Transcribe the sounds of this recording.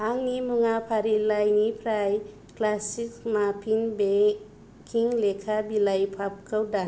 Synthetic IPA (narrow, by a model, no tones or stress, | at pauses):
aŋnimuŋapʰaɾilajŋipʰɾaj | klasik̚mapʰinbe | kʰiŋlekʰabilajpʰap̚kʰəwda